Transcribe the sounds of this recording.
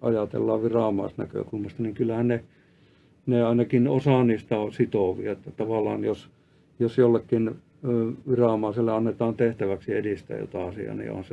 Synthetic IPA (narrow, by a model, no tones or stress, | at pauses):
ʔɑjɑt̪ḛlːɑːʋʋirɑˑmɑ̰ˑist̪næ̰kø̰kulmɑst̪ɑniŋkylːæhænne | neɑinɑkinosɑˑniːst̪ɑosit̪oˑʋḭɑet̪ːæt̪ɑʋɑlːˑɑ̰ːnjos | josjolːekːinː | ʋirɑˑmɑˑiselːeɑnːet̪ɑːnt̪eht̪æʋæksiediˑst̪æ̰jo̰t̪ɑɑsḭɑ̰nḭo̰hɑnse